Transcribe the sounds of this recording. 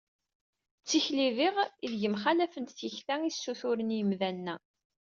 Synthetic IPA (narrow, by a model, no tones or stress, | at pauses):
t͡sːiçliðiʁiðʝəmχalæfənt̪θjəçθæŋisːuθʊɾənjəmðænːæ